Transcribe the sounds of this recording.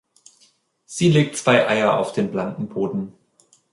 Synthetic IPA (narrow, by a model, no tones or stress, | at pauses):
z̥iːleːk̚tt͡sv̥aɪʔaɪɐa̰ʊfd̥eːnblankn̩boːdn̩